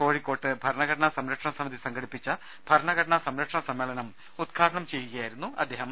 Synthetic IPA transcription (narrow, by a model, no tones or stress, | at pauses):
ko̞ːɻikːo̞ːʈːɨbʱɐɾɳɐɣɐʈɐɳɐsɐmɾɐkʂɐɳɐsɐmɐd̪isɐŋɡɐɽipːit͡ɕːɐ | b̥ʱɐɾɳɐɡɐʈɐɳɐsɐmɾɐkʂɐɳɐsɐmːeːɭɐnɐm | ud̪ɡʰʱaːɽɐɳɐmt͡ɕe̞jːuɣɐjaːjiɾunːuʔɐ̰d̪ʱːe̞ːɦɐm